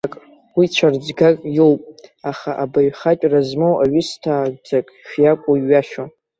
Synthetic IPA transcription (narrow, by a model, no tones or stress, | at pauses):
akʼ | wit͡ʃʷʰard͡zɡakʼjowpʼaχaʔabaɥχat͡ʃʼrazmowaɥʏstʰaːd͡zakʼʃᶣjakʷʼuɥaʃa